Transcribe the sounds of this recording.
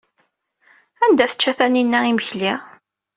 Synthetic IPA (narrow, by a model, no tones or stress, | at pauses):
ænd̪æθə̥t͡ʃːæθæninːæiməçli